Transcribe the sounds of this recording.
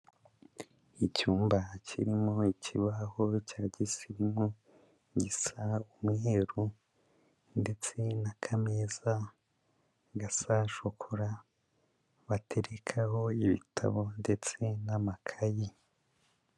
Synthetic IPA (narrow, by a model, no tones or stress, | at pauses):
icuːmbacʰḭɾimoicʰiβahocaːɟisiɾimo | ɟisaumŋeɾu | nde̞t͡se̞nakʰameza | ɡasaʃokʰoɾa | βatʰe̞ɾekʰaho̞iβḭtʰa̰βo̞nde̞t͡se̞namakʰaji